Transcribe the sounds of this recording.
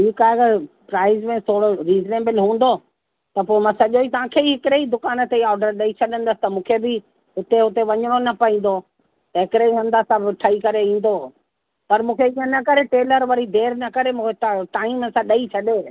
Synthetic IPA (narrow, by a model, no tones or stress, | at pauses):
t͡ʃʰiːkaːeɐɡəɾ | pɾaːɪzmẽt̪ʰoːɽoɾiːzneːbɪlɦũːn̆d̪o | t̪ɐpoːemãsɐʄoit̪ɐʋ̤ãkʰeiɦɪkɪɾeid̪ʊkaːnət̪eiɔːɾɖəɾɗɐit͡ɕʰɐɗə̃nd̪əsɪ̥t̪ɐmũːkʰebɪ | ɦʊt̪eɦʊt̪eʋɐɲəɽ̃onɐpɐɦĩːn̆d̪o | t̪ɐɦɪkɪɾeiɦɐ̃nd̪assãʋɪʈʰɐikɐɾeĩːn̆d̪o | pɐɾmũːkʰeĩːə̃nɐkɐɾeʈeːləɾʋɐɾid̪eːɾnɐkɐɾemũːkʰet̪ʈaːĩməsãɗɐit͡ɕʰɐɗeː